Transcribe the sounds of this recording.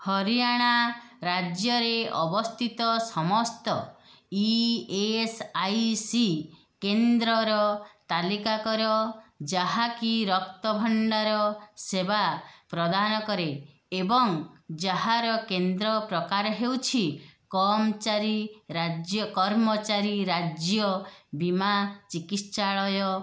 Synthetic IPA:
hɔɾijaɽ̃aɾad͡ʒjɔɾeɔbɔst̪ʰit̪ɔsɔmɔst̪ɔ | iesajsi | kend̪ɾɔɾɔt̪alikakɔɾɔd͡ʒaɦakiɾɔk̚t̪ɔbʱɔɳɖaɾɔsebapɾɔd̪ʱanɔkɔɾe | ebɔŋd͡ʒaɦaɾɔkend̪ɾɔpɾɔkaɾɔɦewt͡ʃʰikɔmt͡ʃaɾiɾad͡ʒjɔkɔɾmɔt͡ʃaɾiɾad͡ʒjɔbimat͡ʃikit̪ʃaɭɔjɔ

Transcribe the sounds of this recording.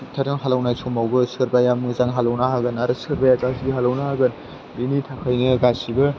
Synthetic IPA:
tʰaɾɯŋɦalawnajsʰomawbɯsɯɾbajamɯzaŋɦalawnaɦaɡɯnaɾɯsɯɾbajaɡasiɦalawnaaɡɯn | binitʰakʰajnɯɡasibɯ

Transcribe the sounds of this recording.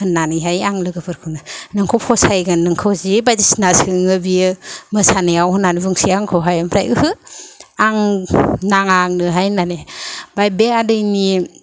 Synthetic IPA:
hɯnːanɯɦajaŋlɯɡɯpʰɯɾkʰɯwnɯnɯŋkʰowpʰɔsajɡannɯŋkʰɯwzibajdisinasɯŋɯbiɯmɯsanɯjawhɯnanibɯŋsiaŋkʰɯwɦajampʰɾa̰jʔɯ̰hɯ | aŋnaŋaŋnɯɦajnanebajbeadɯjni

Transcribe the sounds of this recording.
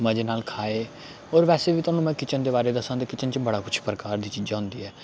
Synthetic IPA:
məd͡ʒeːnaːlkʰaːeː | oːɾʋɛːseːʋiːt̪ʊaːnũːmɛ̃ːkɪt͡ʃənd̪eːbaːɾeːd̪əsãːt̪eːkɪt͡ʃənt͡ʃbəɽaːkʊt͡ʃʰpɾəkaːɾd̪iːt͡ʃiːd͡ʒãːɦʊ̃nd̪ḭːɦɛː

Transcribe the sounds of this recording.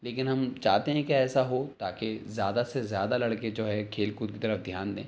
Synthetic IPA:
leːkɪnɦɐmt͡ʃaːɦt̪eɦɛ̃kiɛːsaɦot̪aːkezjaːd̪asezjaːd̪alɐɽked͡ʒoːɦɛkʰeːlkʊd̪̚kit̪ɐɾəfd̪ʱjaːnd̪ḛ̃ː

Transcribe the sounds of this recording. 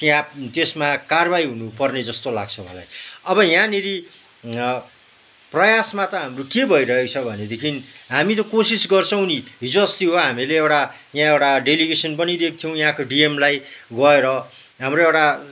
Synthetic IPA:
t̪jãt̪esmakarbajɦunupʌrned͡zʌst̪ola̰ɡt͡sʰʌwã̰la̰jʌbʌjãniɾi | prʌjasmat̪ʌɦamrokebʱʌiɾʌɦekt͡sʰʌbʱʌned̪ekʰinɦamit̪ʌkosisɡʌrt͡sʰʌw̃niɦid͡zʌst̪iɦoɦamileewʈa | jãewʈaɖeliɡesʌnpʌnid̪ek̚t̪ʰijʌw̃jãkoɖiemlajɡʌeɾʌ | ɦamroewʈa

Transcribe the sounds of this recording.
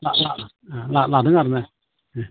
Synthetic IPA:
lala | alalad̪ɯŋaɾmɛ

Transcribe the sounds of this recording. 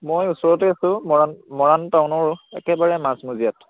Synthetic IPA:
mojusɔɹɔt̬ɛasʊ̃mɔanmɔɹantaʊnɔɹɛ̰kɛbaɹɛmasmuzijat

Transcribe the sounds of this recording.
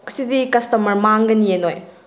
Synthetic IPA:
kɐ̥sidikɐstɐmɐɾmaŋɡɐnienoj

